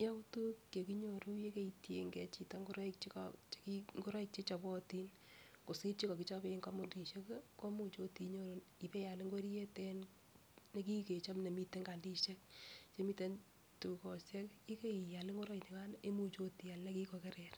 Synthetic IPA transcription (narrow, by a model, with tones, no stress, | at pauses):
ja˦u˦tu˦kːke˨ki˦ɲo˨ɾu˦je˦ke˦itje˦ŋɡe˨˦t͡ʃi˨ta˦ŋɡu˦ɾɔ˦i˦k̚t͡ʃi˦kɔt͡ʃkiŋɡu˦ɾɔ˦ik̚t͡ʃi˦t͡ʃa˨bɔ˦ti˦n | ko˨si˦ɾt͡ʃi˦kɔ˨ki˦t͡ʃa˦pe˦ŋkɔ˦mu˨ndi˨ʃe˦kko˦mu˦t͡ʃo˦ti˧ɲo˦ɾo˦ni˨pe˦ja˨lɪ˦ŋɡwe˦ɾi˦je˦tɛn | ne˦ki˦ke˨t͡ʃa˦mne˨mi˦te˦ŋɡa˨ndi˦ʃe˦k̚t͡ʃe˦mi˦te˦n | tu˨kɔ˨sje˦ki˦ke˦i˨ja˨lɪ˦ŋɡo˦ɾɔ˦i˨ni˨ka˦ne˦mu˦t͡ʃo˦ti˨a˨lna˦ki˦ko˨ke˦ɾɛ˨ɾ